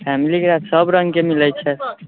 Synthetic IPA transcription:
pʰɛmilikeɾat̪səbɾəŋɡkemilɛt͡ʃʰɛ

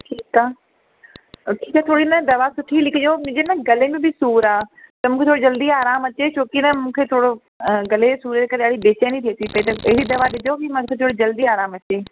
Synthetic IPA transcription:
ʈʰiːkaː | ʈʰiːkaːt̪ʰoːɽinɐd̪ɐʋasʊʈʰilɪkʰɪd͡ʑomʊ̃d͡ʑenɐɡɐlemẽbʱɪsuːɾaːt̪ɐmũːkʰet̪oɽed͡ʑɐld̪iaːɾaːmɐt͡ɕet͡ɕʰoːkinɐmũːkʰet̪ʰoːɽo | ɡɐlesuːɾɾeːkɐɾeaːɽibeːt͡ɕənĩt̪ʰeːt̪ʰipɐit̪ɐɐɦɪɾid̪ɐʋaɗɪd̪obimãokʰet̪ʰoːɽid͡ʑɐld̪iaːɾaːmɐt͡ɕeː

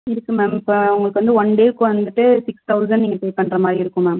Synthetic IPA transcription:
ɪɾɯkːɯmemɪpːoʊŋɡɐɭɯkɯʋɐnd̪ɯʋɐnɖeːɾkːɯ̃ʋɐnd̪ɯʈːɯsɪkst̪ʰɐʊsɐnniːŋɡɐpejpɐɳːɾɐmaːd̪ɾiɪɾɯkːɯ̃maːm

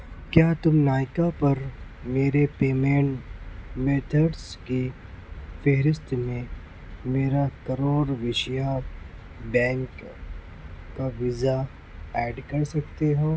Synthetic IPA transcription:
kjaːt̪ʊmnaːjɪkapɐɾ | meːɾepeːmẽːɳʈmeːt̪ʰəɖski | feɦɾɪst̪mẽ | meːɾakɐɾoːɾʋɪʃja | bɛ̃ːŋk | aʋɪza | ɛːɖkɐɾsɐkt̪eɦoː

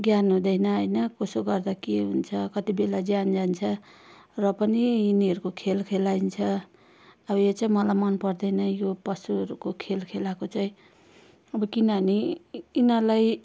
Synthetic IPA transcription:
ɡjanɦũd̪ʌjnʌɦʌjnʌkosoɡʌrd̪akeɦunt͡sʰʌkʌt̪ibelad͡zjand͡zant͡sʰʌ | rʌpʌniːniɦʌɾukokʰelkʰelaint͡sʰʌ | ʌbʌjet͡sʌĩmʌlajmʌnpʌrd̪ʌjnʌjopʌsuɦʌɾukokʰelkʰelakot͡saj̃ | ʌbʌkinʌɦʌniinʌlaj

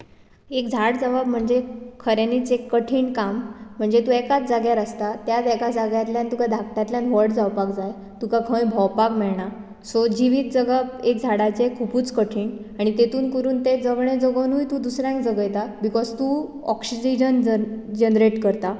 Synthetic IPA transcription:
ekd͡zʱaɽd͡zəʋabm̤əɳd͡zekʰəɾjaniːt͡sekːəʈʰiːɳkam̤ːəɳd͡zet̪uekat̪̚d͡zaɡjaɾəst̪at̪jad̪ɛkad͡zaɡjat̪ljãnt̪ukad̪ʱak̚ʈ̪jat̪ljãnʋəɾɽd͡zawpakd͡zaj | t̪ukakʰə̃j̃bʱɔwpakmɛɭɳa | sod͡ʑiʋiːt̪̚d͡zəɡabek̚d͡zʱaɽat͡sekʰupuːt͡skəʈʰiːɳaɽ̃it̪et̪uːnkəɾuːnt̪ed͡zəɡɳ̃ẽd͡zəɡənujt̪uːd̪usɾãkd͡zəɡəjt̪abikɔzt̪u | ɔksid͡ʑid͡ʑənd͡ʑənɾeʈkəɾt̪a

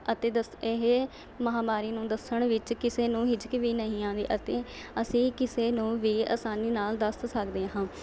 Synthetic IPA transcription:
ət̪eːd̪əɪɦ | məɦaːmaːɾiːnũːd̪əsəɳ̃ʋɪt͡ʃkɪseːnũːɦɪd͡ʒkʋiːnəɦĩːãːnd̪ḭːʔət̪eːəsĩːkɪseːnũːʋiːa̰ːsaːniːnaːld̪əst̪səkd̪eːɦãː

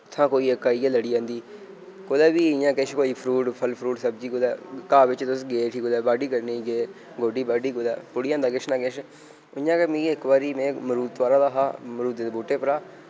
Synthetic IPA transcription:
t̪ʰːãːkoːiːəkːaːiːɛːləɽiːãːnd̪iː | koːd̪ɛːbiːɪjãːkeʃkoːiːpʰɾuːʈpʰəlpʰɾuːʈsəb̚d͡ʒiːkod̪ɛːkaːʋɪt͡ʃt̪ʊsɡeːʈʰiːkod̪ɛːbaːɖiːkəɾniɡeː | ɡoːɖiːbaːɖiːkoːd̪ɛ̰ːpʊɽɪjãːnd̪aːkɪt͡ʃnãːkɪʃ | ʊjãːkemĩːɪkbaːɾiːmɛ̃ːməɾuːt̪t̪ʋaːɾaːd̪aːɦaːmɾuːd̪eːeboːʈeːpəɾaː

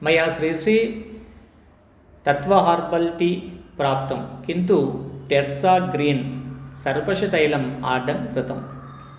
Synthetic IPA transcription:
mɐjaːsɾiːsɾiː | t̪ɐt̪ʋɐɦaːɾbɐlʈipɾaːp̚t̪ɐmkint̪uʈeɾsaːɡɾiːnsɐɾpɐʂɐʈɐjlɐma̰ːɖɐmkɾut̪ɐm

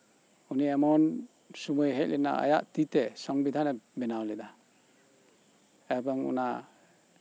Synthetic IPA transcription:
uniamɔn | sumujɦɛt̚lʔina̰a̰jaʔt̪itɛsɔŋbid̪ʰʱanɛbɛnawlɛda | ɛbɔŋṵna

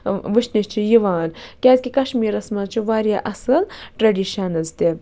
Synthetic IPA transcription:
ʋɨʃniʃt͡ʃʰijiʋaːnkʲaːzkʲikɐʃmiːɾɐsmat͡ʃʰiʋaːɾjaːʔɐsɨlʈɾɐɖiːʃɐnɐzt̪e

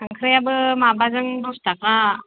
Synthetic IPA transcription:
aŋkʰɯɾɯjabɯmabazɯŋdustaka

